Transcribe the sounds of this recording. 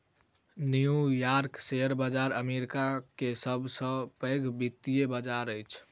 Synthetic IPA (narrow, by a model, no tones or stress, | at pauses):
nijujaɾkseəɾbəd͡ʒaɾəmeɾikakesəbʱsə̃pəɡbit̪ːijebəd͡ʒaɾəjt͡ʃʰ